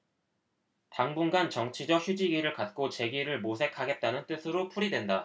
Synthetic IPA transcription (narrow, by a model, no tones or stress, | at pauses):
taŋbuŋɡant͡ɕʌŋt͡ɕʰid͡ʑʌk̚çjud͡ʑiɡiɾɯɭkat̚k͈ot͡ɕe̞ɡiɾɯɭmosʰe̞kʰaɡe̞t̚t͈anɯnt͈ɯsʰɯɾopʰuɾidwe̞nda